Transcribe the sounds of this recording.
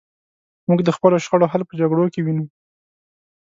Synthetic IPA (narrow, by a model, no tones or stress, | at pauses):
muɡd̪əxpəloʃxəɽoɦalpəd͡ʒaɡɽokewinu